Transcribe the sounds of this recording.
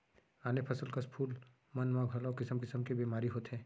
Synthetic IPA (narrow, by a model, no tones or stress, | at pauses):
aːnepʰɐsəlkaspʰuːl | mɐnmãːɡʱɐlaokɪsəmkɪsəmkebiːmaːɾiɦoːt̪ɦɛ̃ː